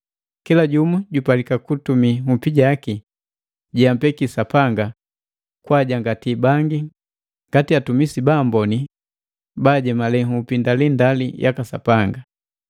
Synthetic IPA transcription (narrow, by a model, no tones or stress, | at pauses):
kilaɟumuɟupalikakutumihupiɟaki | ɟɛampɛkisapaŋɡa | kwaɟaŋɡatibaŋɡi | ŋɡatiatumisibambɔni | baɟɛmalɛŋupindalindalḭjʔa̰kasapaŋɡa